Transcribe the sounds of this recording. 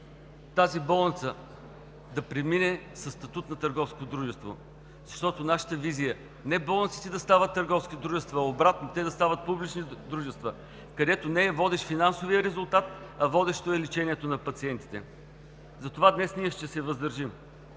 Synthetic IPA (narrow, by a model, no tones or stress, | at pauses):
t̪azibɔlˠnit̪sə | d̪ɐpɾɛminɛsɐst̪ɐt̪ut̪nɐt̪əɾɡɔfskot̪d̪ɾuʒɛst̪vo | zɐʃt̪ɔt̪onaʃə̥t̪əvizijə | nɛbɔlˠnit̪si̥t̪ɛd̪ɐst̪avət̪ːəɾɡɔfskʲit̪d̪ɾuʒɛst̪vəɐobɾat̪not̪ɛd̪ɐst̪avət̪̚publit͡ʃnid̪ɾuʒɛst̪və | kɐd̪ɛt̪onɛvɔd̪ɛʃfinansoviəɾɛzʊlˠt̪at̪ɐvɔd̪ɛʃt̪oɛlit͡ʃɛniɛt̪onɐpɐt̪siɛnt̪i̥t̪ɛ̰ | zɐt̪ovad̪nɛsniəʃt̪ɛsɛvəzd̪əɾʒim